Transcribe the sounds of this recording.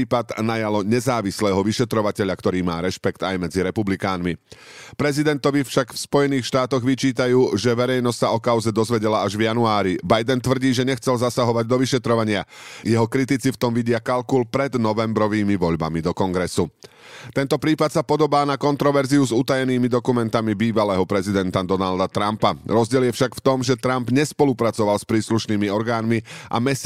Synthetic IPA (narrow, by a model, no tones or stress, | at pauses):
iːpad̪najalɔɲɛzaːʋislɛːɦɔʋiʃɛt̪ɾɔʋacɛʎakt̪ɔɾiːma̰ːɾɛʃpɛkt̪ajmɛd͡ziɾɛpublikaːnmi | pɾɛzid̪ɛnt̪ɔʋifʃakfspɔjɛniːxʃt̪aːt̪ɔɣʋit͡ʃiːt̪ajuːʒɛʋɛɾɛjnɔscsaɔkaʊzɛd̪ɔzʋɛɟɛlaaʒvjanuaːɾibajd̪ɛnt̪ʋr̩ɟiːʒɛɲɛxt͡sɛlzasaɦɔʋaɟ̚d̪ɔʋiʃɛt̪ɾɔʋaɲɪajɛɦɔkɾit̪it͡sift̪ɔmʋiɟɪakalkulpɾɛd̪nɔʋɛmbɾɔʋiːmiʋɔʎba̰mid̪ɔkɔŋɡɾɛsu | t̪ɛnt̪ɔpɾiːpat̪sapɔd̪ɔbaːnakɔnt̪ɾɔʋɛɾziuzut̪ajɛniːmid̪ɔkumɛnt̪amibiːʋalɛːɦɔpɾɛzid̪ɛnt̪ad̪ɔnald̪at̪ɾampaɾɔzɟɪɛljɛfʃakft̪ɔmʒɛt̪ɾambɲɛspɔlupɾat͡sɔʋalspɾiːsluʃniːmiɔɾɡaːnmiʔa̰mɛs